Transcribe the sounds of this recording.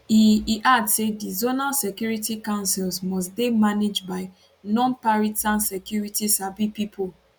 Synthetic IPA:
iiʔadsedizonalsekjuɹitikãʊ̃nsilsmɔsdemaned͡ʒbaɪ | nɔ̃npaɹitãnsɛkjuɹitisabipipʰol

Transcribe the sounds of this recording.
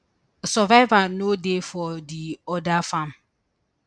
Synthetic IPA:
sɔvaɪvanodefɔdiɔdafãm

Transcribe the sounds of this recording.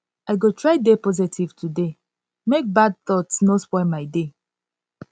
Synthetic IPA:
aɪɡotʰɹaɪdepɔzitʰiv̥tʰude | mek̚bad̚θɔtsnoswaɪmaɪde

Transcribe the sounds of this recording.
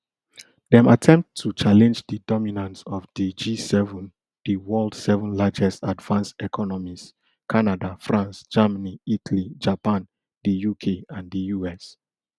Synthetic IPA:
dɛ̃matʰɛ̃mp̚tʰːut͡ʃalɛ̃nd͡ʒdədɔminãntsɔvdid͡ʒisɛvɔ̃n | dəwɜldsɛvɔ̃nlad͡ʒɛstadvãnsɛkʰɔnɔmis | kʰanadafɹãnsd͡ʒamaniitʰalid͡ʒapãn | dəjukʰeãndəjuɛs

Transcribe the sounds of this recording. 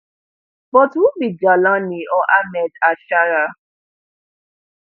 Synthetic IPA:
bɔtwubid͡ʒalaniɔʔamɛtaʃaɾa

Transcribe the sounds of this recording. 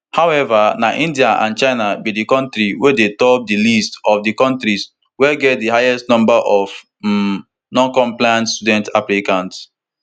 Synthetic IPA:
hawɛvanaʔĩndiaʔã̰nt͡ʃaɪnabidikɔ̃ntɾiwedetɔp̚dilistɔfdikɔ̃ntɹis | wɛɡɛt̚diɦajɛstnɔ̃mbaʔɔv | nɔ̃nkɔ̃mplajãntstudɛ̃ntaplikãnt

